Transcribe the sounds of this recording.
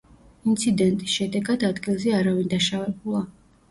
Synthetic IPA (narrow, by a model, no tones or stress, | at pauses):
int̪sʰid̪ɛnt̪ʼisʃɛd̪ɛɡad̪ad̪ɡilˠzɛaɾavind̪aʃavɛbulˠa